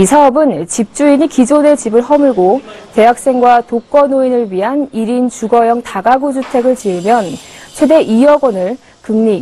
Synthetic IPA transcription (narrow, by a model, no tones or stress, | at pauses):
isʰaʌbɯnt͡ɕip̚t͡ɕ͈uiɲikid͡ʑone̞t͡ɕibɯɭɦʌmɯɭɡote̞ɦak̚s͈e̞ŋɡwatok͈ʌnoinɯɭɥiɦaniɾint͡ɕuɡʌjʌŋtaɡaɡud͡ʑutʰe̞ɡɯɭt͡ɕiɭmjʌnt͡ɕʰwe̞de̞ʔijʌɡwʌnɯɭ | kɯmɲi